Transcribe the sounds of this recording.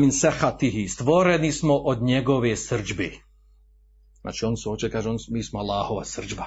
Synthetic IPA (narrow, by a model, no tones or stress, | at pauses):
minsɛxat̪iɦist̪ʋɔɾɛnismɔʔɔd̪ɲɛɡɔʋɛjsr̩d͡ʒbi | nʔa̰t͡ʃiɔnsuɔt͡ʃɛkaʒɔnmismɔalaːhɔʋa̰sr̩d͡ʒba